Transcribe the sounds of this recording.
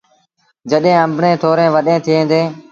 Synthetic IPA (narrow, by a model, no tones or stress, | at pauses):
d͡ʒəɗɦẽːə̃mbʱɳẽːt̪ʰoːɾẽːʋəɗẽːt̪ʰɪːẽːnd̪eː